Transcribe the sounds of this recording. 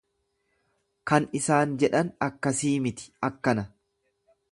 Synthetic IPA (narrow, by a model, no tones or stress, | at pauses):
kɐnɪsaːnd͡ʒɛᶑɐnɐkːɐsiːmɪt̪ɪ̥ɐkːɐnɐ